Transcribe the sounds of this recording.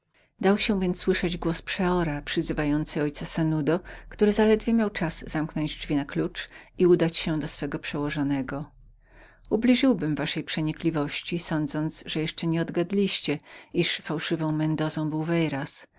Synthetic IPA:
d̪awɕɛ̃vʲjɛnt̪sːwɘʂɛd͡ʑɡwɔspʂɛɔɾapʂɘzɘvajɔnt̪sɘɔjt̪sasɛnud̪ɔkt̪uɾɘzalɛd̪vʲjemʲjawt͡ʂaz̥z̥amknɔɲd͡ʑd͡ʐvʲinaklut͡ʂiud̪at͡ɕɕɛd̪ɔsfɛɡɔpʂɛwɔʐɔnɛɡɔ | ublʲiʐɘwbɘmvaʂɛjpʂɛɲiklʲivɔɕt͡ɕisɔnd̪zɔnt̪sʐɛjɛʂt͡ʂɛɲɛɔd̪ɡad̪lʲiɕt͡ɕɛiʂfawʂɘvɔ̃w̃mɛnd̪ɔzɔ̃w̃bɘwvɛjɾas

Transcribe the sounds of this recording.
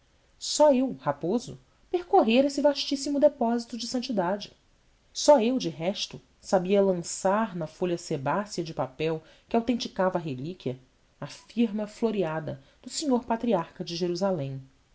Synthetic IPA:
sɔewhapozʊ̰ | peɾkoɦeɾesɪvaʃt͡ʃisimʊd̪epɔzit̪ʊd͡ʒɪsɐ̃nt͡ʃid̪ad͡ʒɪ | sɔewd͡ʒɪɦɛʃt̪ʊ | sabiɐlɐ̃saɾnɐfoʎɐsebasiɐd͡ʒɪpapɛw | kɪawt̪ẽt͡ʃikavɐːɦelikʲiɐː | fiɾmɐfloɾiad̪ɐd̪̥ʊsiɲoɾpat̪ɾiaɾkɐd͡ʒɪʒeɾuzalẽj̃

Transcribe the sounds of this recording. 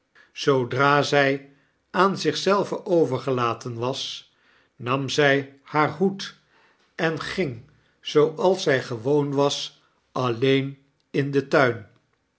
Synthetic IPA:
z̥owdraːzɛj | aːnzɪχsɛlˠvəʔowvəɹχəlaːtʰənʋɑs | nɑmzɛjhaːɹɦut | ɛnχɪŋ | z̥owʔɑlˠsɛjχəʋownʋɑs | ʔɑlejn | ɪndətœɥn

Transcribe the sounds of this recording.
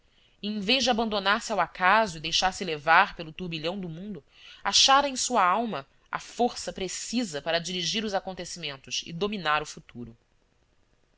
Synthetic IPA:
ẽj̃veʒd͡ʒɪabɐ̃nd̪onaɾsɪawakazʊid̪ejʃaɾsɪlevaɾpelʊt̪uɾbiʎɐ̃w̃d̪ʊmũnd̪ʊ | aʃaɾɐẽj̃suɐawmɐ | a̰foɾsɐpɾesizɐpaɾɐd͡ʒiɾiʒiɾʊzakõnt̪esimẽnt̪ʊsɪ̰d̪ominaɾʊfut̪uɾʊ

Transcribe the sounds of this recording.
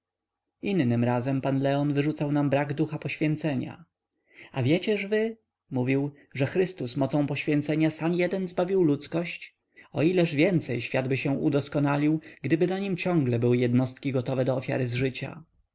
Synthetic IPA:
inːɘmɾazɛmpanlɛɔnvɘʐut̪sawnambɾaɡd̪uxapɔɕfʲjɛnt̪sɛɲa̰ | avʲjɛt͡ɕɛʐvɘ | muvʲiw | ʐɛxɾɘst̪usmɔt̪sɔ̃w̃pɔɕfʲjɛnt̪sɛɲasamjɛd̪ɛnzbavʲiwlut̪skɔɕt͡ɕ | ɔilɛʐvʲjɛnt̪sɛjɕfʲjad̪bɘɕɛʔud̪ɔskɔnalʲiwɡd̪ɘbɘnaɲimt͡ɕɔ̃ŋɡlɛbɘwɘjɛd̪nɔst̪kʲiɡɔt̪ɔvɛd̪ɔːfʲja̰ɾɘzʐɘt͡ɕa̰

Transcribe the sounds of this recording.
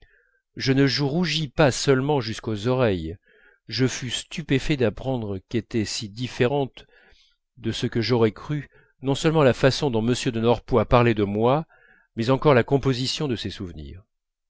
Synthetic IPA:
ʒənəʒəʁuʒipasœlmɑ̃ʒyskozɔʁɛj | ʒəfyst̪ypefɛd̪apχɑ̃d̪ʁəket̪ɛsid̪ifeʁɑ̃t̪ | d̪əsəkəʒɔʁɛkχy | nɔ̃sœlmɑ̃lafasɔ̃d̪ɔ̃məsjød̪ənɔʁpwapaʁled̪əmwa | mɛzɑ̃kɔʁlakɔ̃pozisjɔ̃d̪əsɛsuvnḭːʁ

